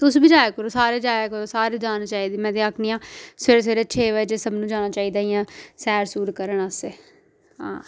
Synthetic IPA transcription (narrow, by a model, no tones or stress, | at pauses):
t̪ʊsbiːd͡ʒaːjaːkəɾoːsaːɾeːd͡ʒaːjakəɾoːsaːɾeːd͡ʒaːnt͡ʃaːiːd̪iːmɛ̃ːd̪eːakʰniːãːseːɾes̬eːɾet͡ʃʰeːʋəd͡ʒeːsəbnũːd͡ʒaːnaːt͡ʃaːiːd̪aːiːãːsɛːɾsuːɾkəɾəɳəseː | ɦã̰ː